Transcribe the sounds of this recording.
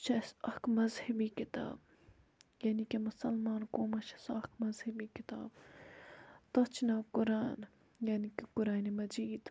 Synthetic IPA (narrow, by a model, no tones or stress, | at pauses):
t͡ʃʰɐsɐkmɐzhɐbiːkɪt̪a̰ːb | jaːnikemʊsɐlmaːnkoːmɐt͡ʃʰɐ̥sɐkmɐzhɐbikɪt̪a̰ːb | t̪ɐt͡ʃʰnaːkʊɾaːn | jaːnikekʊɾaːnemɐd͡ʒiːd̪